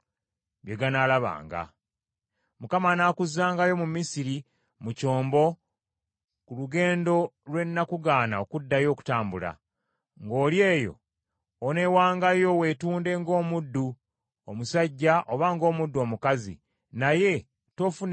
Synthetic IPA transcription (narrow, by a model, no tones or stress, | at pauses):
bjeɡanaːlaβa̰ːŋɡa̰ | mukamanakuzaːŋɡajo̞mumisiɾi | muco̞ːmbo̞ | kuluɡe̞ːndo̞lwe̞nːakuɡaːnaokudːajo̞ːku̥taːmbula̰ | ŋɡo̞ːlje̞ːjo̞̰ː | ne̞waːŋɡajo̞we̞tuːnde̞ŋɡo̞ːmudːu | omusaɟːaʔoβaŋɡo̞ːmudːuo̞ːmukazḭ | naje̞ | to̞ːfu